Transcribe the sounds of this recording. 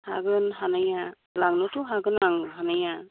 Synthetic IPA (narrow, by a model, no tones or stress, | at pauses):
ha̰ɡɯnɦanaja | laŋnɔtuɦaɡɯnaŋɦanaja